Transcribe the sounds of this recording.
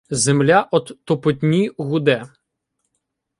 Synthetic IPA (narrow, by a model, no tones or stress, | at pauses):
zemlʲaʔɔd̪t̪ɔpɔtʲnʲiɣʊd̪ɛ